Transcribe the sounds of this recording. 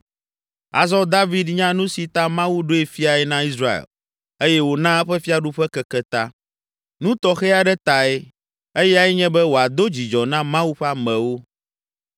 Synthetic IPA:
a̰˨zɔ˦d̪a˦vi˦d̪ɲã˦nũ˦si˨t̪a˦mã˦wu˦ɖo˦e˨fi˦a˨ɛ˨nã˦i˦sɾa˦ḛ˨l | e˦jɛ˦wo˨nã˦ɛ˦ɸɛ˦fi˦a˨ɖu˦ɸɛ˦kɛ˦kɛ˦t̪a˦ | nũ˦t̪ɔ˨xɛ˦a˨ɖɛ˦t̪a˨ɛ˦ | e˦jɛ˦a˨ɛ˦ɲɛ̃˦bɛ˦wo˨a˨d̪o˦d͡ʑi˨d͡ʒɔ˨nã˦mã˦wu˦ɸa˦mɛ̃˨wo˦

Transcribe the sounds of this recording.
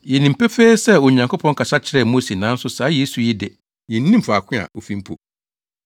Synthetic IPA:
jɛ˨nĩ˨m̩˨pe˦feː˦sɛ˦˨ɔ˨ɲã˨ŋkʰo˦pʰɔ̃˦ŋ˦kʰa˨sa˦t͡ɕʰɪ˨ɾɛ˦˨mo˦se˨nã˨˦n̩˦sʊ˦saː˨˦je˦su˨ji˦dɛ˨ | jɛ˨n̩˦nĩ˦m̩˨fa˨kʰɪ̃˦a̰˨o˨fĩ˨m̩˦pʰo̰˨

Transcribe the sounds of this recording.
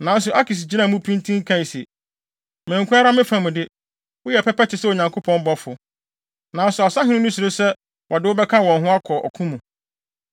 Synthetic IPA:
nã˨˦n˦s̬ʊ˨ʔa˦kʰi˨s̬d͡ʑi˦nã˦˨mũ˦pʰĩ˦ntʰĩ˦ŋ˦kʰã˦˨i˨sḭ˨ | mɛ̃ː˨ŋ˨kʰũ˦a˦ɾa˦mɪ̃˦fã˨mũ˨dɪ˦ | wʊ˦jɛ˨pʰɛ˦pɛ˦t͡ɕʰɪ˨sɛ˦o˨ɲã˨ŋkʰo˦pʰɔ̃˦m̩˦bɔ˦fʊ˨ | nã˨n̩˦sʊ˨a˨sa˦ɦɪ̃˦nʊ̃˦nʊ̃˦sʊ˨ɾo˦sɛ˦ | wʔɔ˨dɪ˦wʊ˦bɛ˦kʰã˦wɔ̃˨nɦʊ̃˦a˦kʰɔ˨ʔɔ̰˨kʰũ˦mũ˨

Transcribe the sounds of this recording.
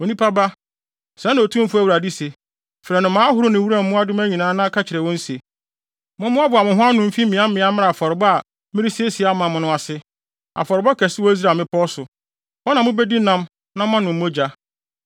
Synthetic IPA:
o˨nĩ˦pʰa˦ba˦ | sɛ̃˨˦ñ˨o˨tʰũ˦m̩˦fʊ˦æ˦wu˨ɾa˨di˦se˨ | fɾɛ˨nʊ̃˨mãː˦ɦʊ˨˦ɾʊ˦nɪ̃˨wu˦ɾã˦˨m̩˦mʊ̃˦a˦dɪ˦m̃˦æ˦ɲĩ˨nãː˦nã˦kʰa˦t͡ɕʰɪ˨ɾɛ˨wɔ̃˦n̩˦se˨ | mʊ̃˦mʊ̃˦a˦bʊ˨a˨mʊ̃˨ɦʊ̃˦a˦nʊ̃˨m̩˦fi˦ĩ˨˦ã˦m̩˦mɪ̃˨˦a˦mã˦a˨a˨fɔ˨ɾɪ˨bɔ˦a˨ | mɪ̃˦ɾi˦se˦sɪ˨a˦mã˨mʊ̃˨nʊ̃˦a˨sɪ˦ | a̰˨fɔ˨ɾɪ˨bɔ˦kʰɛ˨sɪ˦wɔ˦i˦z̬ɾa˨mɪ̃˦pʰɔ˦sʊ˨ | ɔ˦nã˨mʊ̃˦bɛ˦di˦nã˦m | nã˦ã˦nʊ̃˨m̩̃ː˦d͡ʑa˦

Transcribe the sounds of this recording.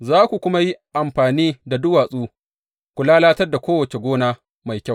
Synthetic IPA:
zaː˦kʷu˨kʷʊ˦ma˦ji˦ʔa˨mɸaː˨niː˦da˨dʊ˦waː˨sʼuː˦ | kʷʊ˨laː˦laː˦tɐ˦rda˨kʷoː˦wɐ˨t͡ʃe˨ɡʷoː˦naː˦ | ma˨jkʲa˦w

